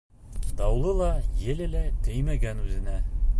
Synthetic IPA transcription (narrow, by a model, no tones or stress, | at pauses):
d̪ɑwlˠɤlˠɑjɘlɘlæt̪ɘjmæɡænʉzɘ̆næ